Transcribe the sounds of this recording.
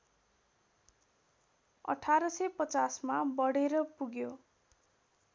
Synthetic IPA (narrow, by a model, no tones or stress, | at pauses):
ʌ̰ʈʰaɾʌsʌpʌt͡sasmabʌɽeɾʌpuɡjo